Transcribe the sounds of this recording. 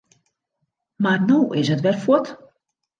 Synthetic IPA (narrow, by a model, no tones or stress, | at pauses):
marnoːʔɪsətʋɛrfɔt